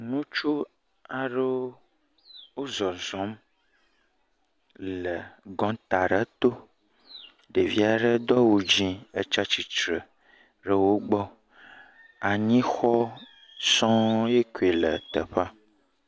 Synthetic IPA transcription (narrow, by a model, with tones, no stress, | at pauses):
nũ˦t͡ʃu˦ | a˨ɖə˦wo˦ | wo˦zɔ˨zɔ̃˨˦m | lə˨ɡɔ̃˨˦t̪a˨ɖə˦t̪o˦ | ɖe˨vi˦a˨ɖə˦d̪ɔ˦wo˨d͡ʒĩ˦ə˦t͡ʃa˦t͡ɕi˦t͡ʃɾə˨ | ɖə˦wo˦ɡ͡bɔ˦ | a˨ɲĩ˦xɔ˦ | sɔ̃˦je˦ku˨e˨lə˨t̪ə̰˨ɸa˦